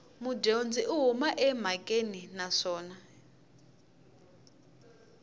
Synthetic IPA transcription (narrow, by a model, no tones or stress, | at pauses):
mudend͡ziʔuɦumaʔɛm̤akʼeninaʂɔːna